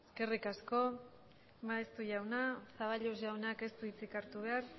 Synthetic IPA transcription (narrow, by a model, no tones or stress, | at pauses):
eske̞rikasko̞ | maest̪uʝawnasaβaʎusʝawnake̞st̪uit͡sikaɾt̪uβe̞aɾ